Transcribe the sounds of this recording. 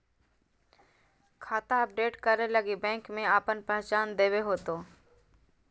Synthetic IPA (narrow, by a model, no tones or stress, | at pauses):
kʰaːt̪aɐp̚ɖeːʈkəɾeləɡibɛ̃ːŋkmẽaːpənpɛɦt͡ʃaːnd̪eːweɦoːt̪oː